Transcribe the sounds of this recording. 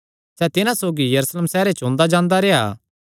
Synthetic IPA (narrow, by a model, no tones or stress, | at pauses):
sɛt̪ɪnãsoːɡijɐɾusleːmsɛːɾet͡ʃõːnd̪ad͡ʒãːnd̪aɾeːa̰ː